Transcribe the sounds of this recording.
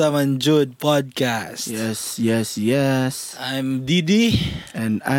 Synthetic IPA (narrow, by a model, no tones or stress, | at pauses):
amãnd͡ʒud̚pɔd̚kasjɛsjɛsjɛsãjmdidiɛ̃nã̰